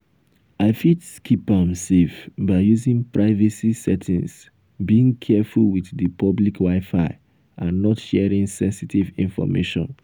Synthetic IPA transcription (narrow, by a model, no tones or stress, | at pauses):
aɪfitskʰipãmsefbaɪjuzĩŋpɹʔaɪvɛsisɛtʰĩns | biĩŋkʰɛfulwiθðəpʰɔblikwaɪfaɪ | ʔãnːɔtʃɛɹĩŋsɛ̃nsitivḭ̃nfɔ̰mḛʃɔ̰̃n